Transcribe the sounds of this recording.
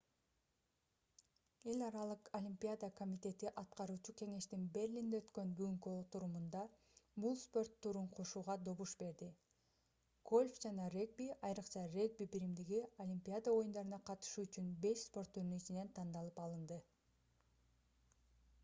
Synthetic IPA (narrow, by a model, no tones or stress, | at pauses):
e̞lʲɑɾɑlˠɯqolʲimʲpʲiad̪əko̞mʲit̪ʲe̞t̪iʔɑt̪qɑɾuːt͡ʃuke̞ŋe̞ʃt̪inbe̞rʲlʲind̪eøt̪kø̞nbyɡyŋkyo̞t̪uɾumund̪ɑ | bulˠspo̞rt̪ʰːuɾuɴqʰo̞ʃuːʁɑd̪o̞βuʃbe̞ɾd̪i | ɡ̥o̞lʲfd͡ʒɑnɑreɡ̚bʲiɑjɾɯqt͡ʃɑre̞ɡ̚bʲibiɾimd̪iɡiolʲimʲpʲiad̪əo̞jund̪ɑɾɯnɑqʰɑt̪ɯ̥ʃuyt͡ʃynbe̞ʃspo̞rt̪ʰːyɾnyit͡ʃine̞nt̪ʰɑnd̪ɑlˠɯpɑlˠɯnd̪ɯ